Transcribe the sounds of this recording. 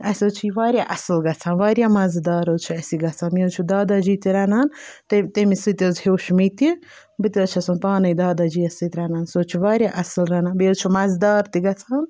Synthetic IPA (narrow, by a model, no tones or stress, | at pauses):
ɐsʲoːt͡ʃʰiʋaːɾjaʔɐslɡɐt͡sʰaːnʋaːɾjaːmɐzd̪aːɾot͡ʃʰuɐsiɡɐt͡sʰaːmit͡ʃʰud̪aːd̪ad͡ʒit̪iɾɐnaːnt̪et̪emisɨt̪ʲɐzheːʃmit̪i | bɨt̪iɐt͡ʃʰɐsunpaːnɐjd̪aːd̪ad͡ʒiːɐsɨt̪ʲɾɐnaːnsoːt͡ʃʰiʋaːɾʲjaʔɐslɾɐnaːbiot͡ʃʰumɐzd̪aːɾt̪iɡɐt͡sʰaːn